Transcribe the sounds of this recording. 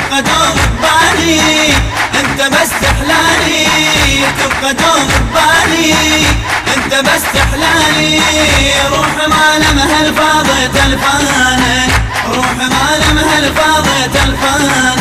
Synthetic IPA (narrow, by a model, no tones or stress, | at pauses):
qad̪oːmɪbaːni | ʔɪnt̪abasːaħlaːni | t̪ʊbqad̪oːmɪk̚baːni | ʔɪnt̪abasaħlaːni | ɾˤuːħmaːlamhalfɑːðˤɨlt̪alfaːna | ɾˤuːħmaːlamhalfɑːðˤɨlt̪alfaːn